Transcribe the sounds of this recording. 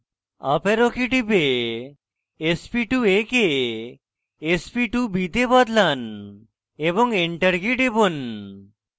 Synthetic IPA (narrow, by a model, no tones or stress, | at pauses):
a̰peɾokiʈibe | spiʈueke | spiʈubʱid̪ebɔd̪lan | ebɔŋeɳʈəɾɡiʈebɔn